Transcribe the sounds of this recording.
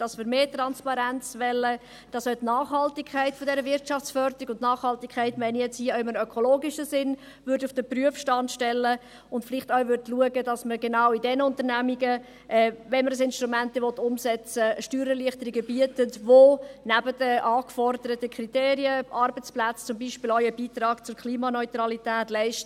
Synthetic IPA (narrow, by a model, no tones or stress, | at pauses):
d̥ɑsmɪɾmeːtrɑnspɑɾænt͡sʋɛlə | d̥ɑsœtnɑːχhɑltikʰːæɪtfɔdɛɾəvɪɾtʃɑft͡sfœɾdəɾiɡʊntnɑːχhɑltikʰχɛɪtmɛɪnijɛt͡shiːœɪmənœkʰɔloːɡiʃəsɪn | vʏɾdʊfd̥əpryəfʃtɑntʃtɛlːə | ʊndflɪχtaʊvʏɾdluəɡədɑsməɾɡenaʊidɛnəʊntəɾnæmiɡə | ʔɛːvɛnməɾəsɪnʃtɾumæntəʋɔtːʊmsɛt͡səʃtyːɾəliəχtəɾiɡəbiətətvonæbədəʔɑːkfɔɾdəɾətəkʰriteːɾiəʔɑrbət͡splæt͡st͡sʊmbiːʃpɪlɔɥəbiːtrɑːɡ̥t͡sʊɾkʰliːmɑnɔʏtɾɑlitæːtlɛɪʃtə